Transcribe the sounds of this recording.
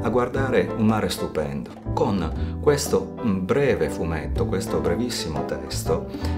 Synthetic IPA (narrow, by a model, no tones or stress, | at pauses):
aɡward̪aːɾeunmaːɾest̪upɛ̰nd̪okonkwest̪obɾɛːvefumet̪ːokwest̪obɾɛvisːimot̪ɛst̪o